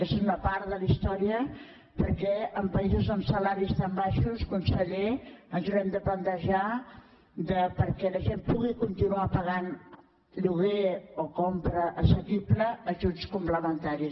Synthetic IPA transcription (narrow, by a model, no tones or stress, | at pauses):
ezunəpaɾðəlist̪ɔɾiə | pəɾkɛəmpəizuzəmsəlaɾist̪ambaʃuskunsəʎeənzuɾɛmd̪əplənt̪əʒa | d̪əpəɾkɛləʒempuɣikunt̪inuapəɣ̞an | ʎuɣeokɔmpɾəʔːsəkipləːʒut͡skumpləmənt̪aɾi